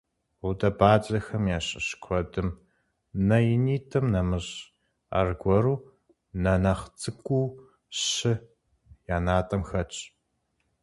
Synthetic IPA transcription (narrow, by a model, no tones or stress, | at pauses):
ʊdɐbaːt͡ʃʼɐxɐmjaːɕʼɪ̰ɕkʷʰɔdɨm | nɐjɪniːtʰɐmnɐmɨɕ | a̰rɡʷɔɾuː | nɐnaχt͡sʰʼɨkʷʼuː | ɕɪ | jaːnaːtʼɐmxɐt͡ʃʼ